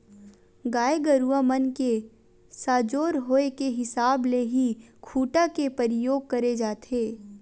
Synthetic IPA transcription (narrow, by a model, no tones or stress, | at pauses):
ɡaːeɡəɾuamənke | saːd͡ʒoːɾɦoːekeɦɪsaːbleɦikʰuːʈakepəɾɪjoːɡ̚kɐɾed͡ʒaːt̪ʰeː